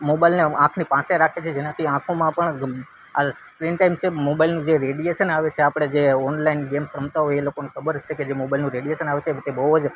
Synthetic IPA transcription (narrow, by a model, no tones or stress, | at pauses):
mobailneãkʰnipãseɾakʰet͡ʃʰed͡ʒenãt̪ʰiãkʰõmãpəɳ | aspɾinʈaimt͡ʃʰemobailnũd͡ʒeɾeɖieʃənaʋet͡ʃʰeapɽ̃ed͡ʒeɔnlainɡemsɾəmt̪aɦoelokonekʰəbəɾʃʰeked͡ʒemobailnũɾeɽijeʃənaʋet͡ʃʰet̪ebəɦuəd͡ʒ